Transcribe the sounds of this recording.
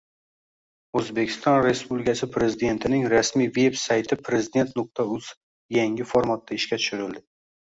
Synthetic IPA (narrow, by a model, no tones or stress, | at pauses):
ɵzbe̞kʲʰɪ̥st̪ɒnɾe̞spublɪkʲʰasɪpʰɾe̞zɪd̪e̞nt̪ʰɪnɪŋɾasmijve̞bsajt̪ʰɪpʰɾe̞zɪd̪e̞nt̪nʊq̚t̪ʰaʊs | jaŋɪfoɾmat̪̚ːaɪʃkʲat̪ʰʊ̥ʃʊɾɪld̪ɪ